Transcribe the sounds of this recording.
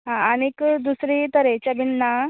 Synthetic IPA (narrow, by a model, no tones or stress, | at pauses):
ɦãənekd̪usɾit̪əɾet͡ɕjabinːa